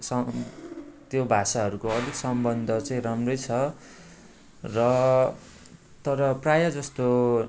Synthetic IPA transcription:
sʌ | t̪jobʱasaɦʌɾukoʌd̪ʱiksʌmbʌnd̪ʱʌt͡saĩramrʌjt͡sʰʌ | rʌ | t̪ʌɾʌprajʌd͡zʌst̪o

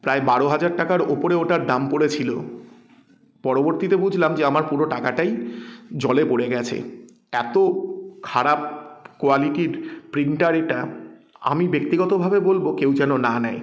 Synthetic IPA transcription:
pɾaebaɾoɦad͡ʑaɾʈakaɾopoɾeoʈaɾd̪ampoɾet͡ɕʰilo̰ | pɔɾoboɾt̪it̪ebud͡ʑʱlamd͡ʑeamaɾpuɾoʈakaʈajd͡ʑɔlepoɽeɡɛt͡ɕʰḛ | ɛt̪okʰaɾap̚koaliʈiɾpɾiɳʈʈaɾeʈaa̰mibek̚t̪iɡɔt̪obʱabebolbokewd͡ʑɛnonanɛe

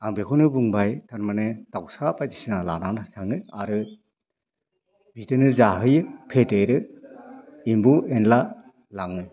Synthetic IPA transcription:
aŋbekʰunɯbuŋbajtʰanmanɯtawsapajtisinalananasʰaŋnɯaɾɯ | bʱitɯnɯzaɦɯjɯpʰetejɾɯ | imbuenla | laŋɯ

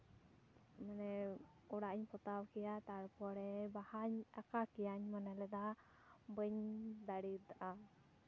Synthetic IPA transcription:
manɛ | ɔɽaʔɲpɔt̪awkɛjat̪aɽpɔɽɛbahaɲakakɛjaɲmanɛlɛd̪a | bəɲd̪aɽid̪aʔa

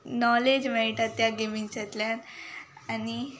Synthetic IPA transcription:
nɔled͡ʑməɦiʈat̪ːjaɡemiŋt͡ɕet̪ljanani

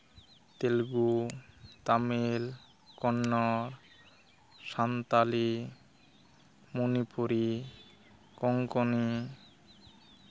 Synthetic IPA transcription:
t̪elɡu | t̪amil | kɔnːɔɾ | ʃant̪ali | monipuɾi | kɔŋkoni

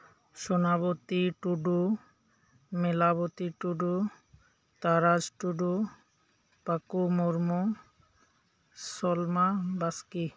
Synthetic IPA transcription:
ʃonabot̪iʈuɖu | melabot̪iʈuɖu | t̪aɾad͡ʑʈuɖu | pakumoɾmo | sɔlmabaski

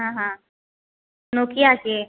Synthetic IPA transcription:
ɦãɦã | nokiːase

